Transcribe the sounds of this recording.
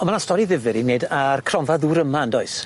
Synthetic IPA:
ɔnmanastɔɾiðɪvɪɾinejdarkʰrɔnvaðuːɾəmandɔɨs

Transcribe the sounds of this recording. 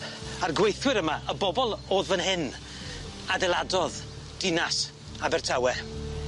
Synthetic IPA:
arɡwejθwɪɾəmaʔəbɔbɔlˠoːðvənhɪn | adɛlˠadɔð | d̥ɪnas | abɛrtʰawɛ

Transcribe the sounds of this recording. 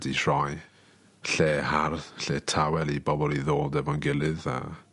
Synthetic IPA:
dihr̥ɔj | ɬeːharðɬeːtʰawɛlˠibɔbɔlˠiðoːdɛvanɡɪlˠɨða̰

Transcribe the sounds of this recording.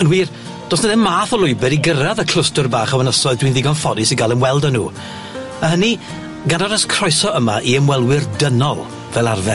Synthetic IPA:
ənwiːr | d̥ɔsnəðɛnmaːθɔlˠʊɨbɨɾiɡəɾaðəkʰl̥ˠʊstʊrbaːχawənəsɔɨðdwiːnðɪɡɔnfɔdɪsiɡalˠənwɛlˠdənuː | ahəni | ɡanɔɾaskʰr̥ɔjsɔəmaʔiəmwɛlˠwɪrdənɔlˠ | vɛlˠarvɛ

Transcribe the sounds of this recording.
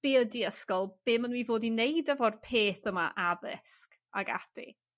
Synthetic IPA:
b̥eːədiəskɔlˠb̥ɪːmənwiːvoːdinejdəvɔrpʰeːθəma̰ʔaðɪ̰sk | a̰ɡa̰tḭ

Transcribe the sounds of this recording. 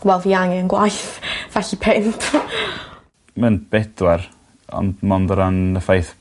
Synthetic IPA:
ɡ̥wɛlˠviaŋɛnɡwajθvɛɬipʰɪntʰ | mənb̥ɛd̥wɛɾ | ɔ̰ndmɔndɔɾanəfajθ

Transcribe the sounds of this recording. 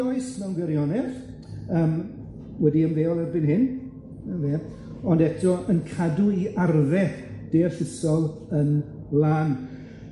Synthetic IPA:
ɔɨsmɛwnɡwɛɾjɔnɛθ | əːm | wɛdiənveːɔlˠɛrbɪnɦɪn | ənveː | ɔndɛtʰɔənkʰaduiarðɛθd̥eːɬəsɔlˠən | laːn

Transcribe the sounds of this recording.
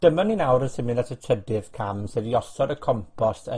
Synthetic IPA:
d̥əmɔnːinawɾənsɪmɪnatʰətʰrədɪv̥kʰamsɨðiɔsɔdəkʰɔmpʰɔsə

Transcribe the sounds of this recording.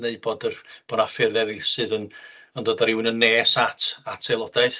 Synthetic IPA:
neɨd̚boːdərb̥ɔːnafɪrɛðisɨðən | əndoːdəɾɪwnənːeːsatʰatʰelˠɔdajθ

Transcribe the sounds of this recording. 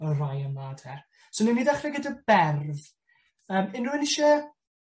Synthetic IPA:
ərajənaːd̥hɛ | sonimiːdaχrɛɡədəbɛrð | əːmɪnruɪnɪʃɛ

